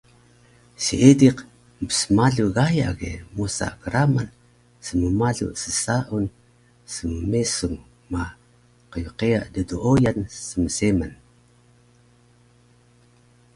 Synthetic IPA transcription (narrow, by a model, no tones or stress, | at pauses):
sḭediq | məbə̥səmaɮuɣaja̰ɣḛmusa̰ɡəɾaman | səməmaɮṵsəsaʔun | səməmesuŋ | ma | qəjuqeaʔdəduʔojansəməseman